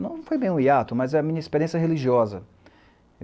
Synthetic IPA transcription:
nɐ̃w̃ñfojbẽj̃ũiat̪ʊmɐzɛɐmĩɲɐispeɾiẽsjɐɦeliʒiɔzɐ

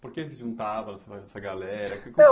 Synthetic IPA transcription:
poɾkesɪʒũnt̪avɐsɐɐɛsɐɡalɛɾɐkek

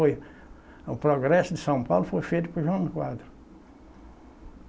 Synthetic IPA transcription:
oj | ũpɾoɡɾɛsʊd̪ɪsɐ̃w̃pawlʊfojfejt̪ʊpɾʊʒɐ̃ʊkwad̪ɾʊ

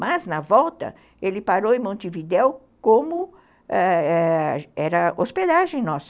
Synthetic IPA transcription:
mɐznɐvɔwt̪ɐ̰ | elɪpaɾowẽmõnt̪ɪvid̪ɛw | kõmʊ | ɛɛɛɾɐosped̪aʒẽj̃nɔs

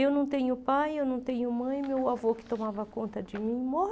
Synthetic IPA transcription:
ewnɐ̃w̃t̪ẽɲʊpajewnɐ̃w̃t̪ẽɲʊmɐ̃j̃mewavokɪ̥t̪omavɐkõnt̪ɐd͡ʒɪmĩmɔ

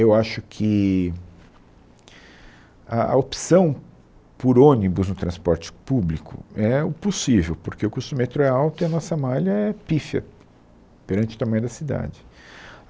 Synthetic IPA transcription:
ewaʃʊkʰɪ | aɐ̰opsɐ̃w̃ | poɾõnibʊznʊt̪ɾɐ̃spɔɾt͡ʃɪ̥publikʰʊ̰ɛʊposivewpoɾkeʊkust̪ʊmet̪ɾʊɛawt̪ʊiɐnɔsɐmaʎɐɛpifɐ̰ | peɾɐ̃nt͡ʃɪʊt̪ɐmɐ̃ɲ̃ʊd̪ɐsid̪a̰d͡ʒɪ

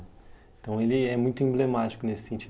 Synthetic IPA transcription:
ẽt̪ɐ̃w̃elɪɛmũj̃t̪ʊẽblemat͡ʃi̥kʊnesɪ̥sẽnt͡ʃi

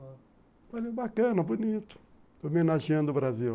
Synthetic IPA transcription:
palebakɐ̃nɐbunit̪ʊ̥ | omenaʒiɐ̃d̪ʊbɾazi

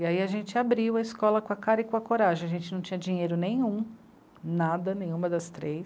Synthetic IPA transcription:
iaiaʒẽnt͡ʃɪabɾiwɐiskɔlɐkõɐkaɾɐɪkõɐkoɾaʒẽaʒẽnt͡ʃɪnɐ̃w̃t͡ʃĩɲ̃ɐd͡ʒĩɲejɾʊnẽj̃ũ | nad̪ɐnẽj̃ũmɐd̪ɐst̪ɾejs

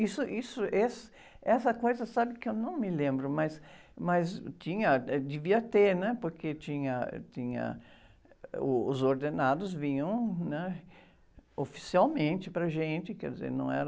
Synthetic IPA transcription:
isʊʔisʊʔes | ɛsɐkojzɐsabɪkɪewnɐ̃w̃mɪlẽmbɾʊmɐs | mɐzt͡ʃĩɲɐd̪ɪviɐt̪eɾnɛpoɾket͡ʃĩɲɐ̰t͡ʃĩɲɐ̰ | ʊːzoɾd̪enad̪ʊzvĩɲɐ̃w̃nɛ | ofi̥siawmẽnt͡ʃɪpɾɐʒẽnt͡ʃɪkɛɾd̪ɪzḛɾnɐ̰̃w̃ɛ̰ɾɐ

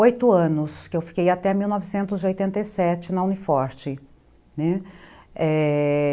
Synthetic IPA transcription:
ojt̪ʊɐ̃nʊskɪewfi̥kejat̪ɛmiwnɔvɪsẽnt̪ʊziojt̪ẽnt̪ɐjsɛt͡ʃɪnɐũnifɔɾt͡ʃɪ | nɛ | ɛ

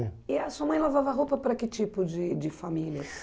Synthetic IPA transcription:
ɪɐsuɐmɐ̃j̃lavavɐɦopɐpɾɐkɪt͡ʃipʊd͡ʒɪd͡ʒɪfamiljɐ

